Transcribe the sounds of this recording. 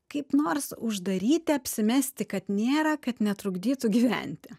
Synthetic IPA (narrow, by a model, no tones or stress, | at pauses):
kɐɪpnoːrsʊʒd̪ɐɾʲiːt̪ʲɪɐpʲsʲɪmʲɛsʲt̪ʲɪkɐt̪nʲeːɾɐkɐt̪nʲɛt̪ɾʊɡd̪ʲiːt̪ʊɡʲiːʋʲæ̰nʲt̪ʲɪ